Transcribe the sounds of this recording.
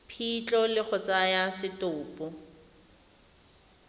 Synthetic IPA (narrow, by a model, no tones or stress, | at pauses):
pʰit͡ɬʼɔlɪχʰɔt͡sajasɪtʊːpʼɔ